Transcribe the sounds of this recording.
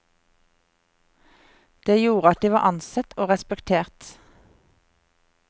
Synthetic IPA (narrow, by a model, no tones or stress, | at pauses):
d̪̥eːjuːʁəɑt̪̚d̪iːʋɑːʔɑnsɛt̪ʰoːʁɛspɛkt̪ʰeːʁt̪